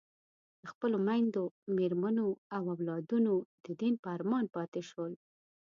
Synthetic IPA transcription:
d̪̥əxpəlomajnd̪omeɾmanoawawlɑd̪unod̪̥əd̪inpəaɾmɑnpɑt̪eʃəl

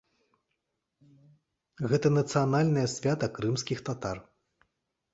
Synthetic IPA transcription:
ɣɛt̪ɐnɐt̪sɨjanalʲnɐjɐsʲvʲat̪ɐkɾɨmsʲkʲixt̪at̪ar

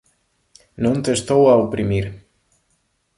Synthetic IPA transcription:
nõnt̪est̪owaopɾimiɾ

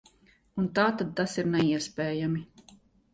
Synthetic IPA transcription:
unt̪aːt̪ad̪̚t̪asiɾnɛiɛspɛːjami

